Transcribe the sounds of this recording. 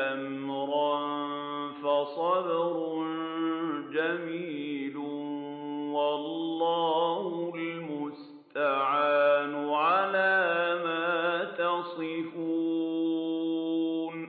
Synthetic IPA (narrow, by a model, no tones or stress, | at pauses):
ʔammɾɑnfɑsˤɑd̪ɾʊn | d͡ʒamiːlʊ | wɑlˤːɑːhʊlmʊs | t̪aʕaːnʊʕalaːmaːt̪ɑsˤɪfuː | n